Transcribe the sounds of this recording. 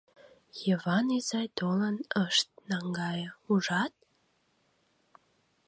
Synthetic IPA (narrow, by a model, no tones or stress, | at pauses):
jəβɑnizɑjt̪olənəʃt̪̚nɑŋɡɑjəuʒɑt̪̚